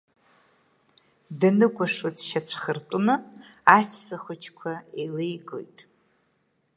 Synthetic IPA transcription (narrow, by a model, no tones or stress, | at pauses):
danɨkʷʼaʂutʃat͡ʃʷʰχərtʷʼʊnɨaʃᶣʰsaχʷʊt͡ʃʰkʷʰaelejɡo̰jtʼ